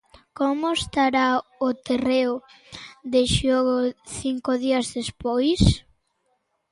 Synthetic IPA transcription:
komoest̪aɾaʊt̪ereʊ | ðeʃoɣoθiŋkoðiɐzðespojs

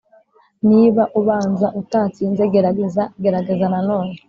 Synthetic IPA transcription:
niβaʔuβaːnzaʔutat͡siːnzeɡeɾaɡezaɡe̞ɾaɡe̞zananoːne

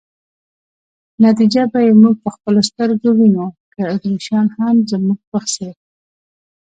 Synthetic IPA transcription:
nat̪̬id͡ʒabajemuɡ̚pəxpəlost̪əɾɡowinokəad̪ɾuʃɑnhamzəmuɡ̚wəxse

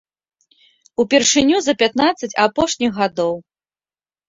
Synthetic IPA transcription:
upʲɛrʂɨnʲuzɐpʲat̪nat̪sːɐt͡sʲapɔʂnʲixɣad̪ɔw

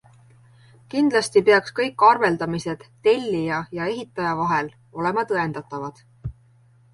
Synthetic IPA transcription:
kind̪lɑst̪ipe̞ɑkskɤjkːˑɑrve̞ld̪ɑmise̞d̪̥ːe̞lʲːijɑjɑe̞ɦit̪ːˑɑjɑvɑɦe̞l | o̞le̞mɑt̪ɤe̞nd̪̥ɑt̪ːˑɑvɑd̪̥

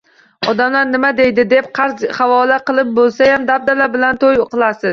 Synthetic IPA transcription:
ɒd̪amlaɾnɪmad̪e̞jd̪ɪd̪e̞p̚qʰɑɾzhavɒlaqɨlˠɪp̚bolˠsajamd̪ab̚d̪alabɪlant̪ʰojqʰɨlˠasɪz̥

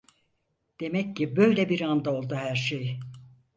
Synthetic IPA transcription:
d̪̥e̞mɛcːibø̞jlʲɛbiɾand̪ao̞lˠd̪uhæɾʃej

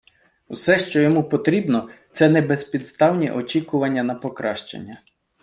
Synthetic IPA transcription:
usɛʃt͡ʃɔjɔmupɔt̪ɾʲibnɔt̪sɛnɛbespʲid̪st̪ɑwnʲḭʔɔt͡ʃʲikʊʋɐnʲːɐnɐpɔkɾɑʃt͡ʃḛnʲːɐ

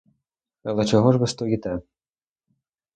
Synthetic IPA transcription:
ɐlˠɛt͡ʃɔɦɔʒʋɪst̪ɔjit̪ɛ

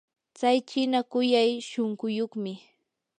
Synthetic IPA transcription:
t͡sajt͡ʃɪnakʊjajʃoŋɢʊjoχmɪ

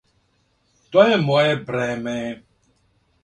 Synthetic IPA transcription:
tɔemɔebɾɛme

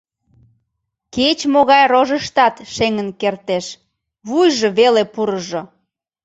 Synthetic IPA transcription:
ket͡ɕmoɣɑjroʒəʃt̪ɑt̪ʃeŋənkert̪eʃ | βujʒoβelepuɾəʒo

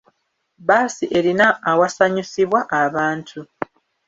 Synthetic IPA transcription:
baːsiʔe̞ɾinaːwasaɲisiβwaʔaβaːntʰu

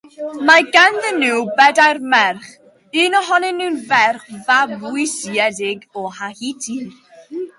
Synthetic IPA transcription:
maɡanðənɨwbɛdajrmɛrχ | ɨːnɔɦɔnɛnːunvɛrχvabwɪsiɛdɪɡɔhahitʰi

